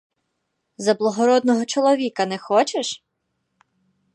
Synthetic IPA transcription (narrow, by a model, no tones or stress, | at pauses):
zɐblˠɐɦɔɾɔd̪nɔɦɔt͡ʃɔlˠɔʋʲikɐnɛxɔt͡ʃeʃ